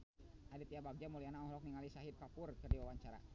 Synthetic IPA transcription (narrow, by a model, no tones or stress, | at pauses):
hadit̪iabaɡ̚d͡ʒamulianaɔhlɔk̚niŋalisaɦib̚kapʊrkərdiwawaɲt͡ʃaɾa̰